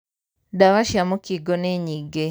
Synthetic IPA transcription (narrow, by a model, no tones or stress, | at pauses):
daβaʃjamukiɡoneɲiɡe